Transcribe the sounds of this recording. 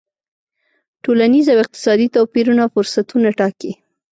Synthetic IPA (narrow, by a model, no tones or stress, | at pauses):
ʈolanizawɪq̚t̪ɪ̥sɑd̪it̪apiɾunafʊɾsat̪unaʈɑki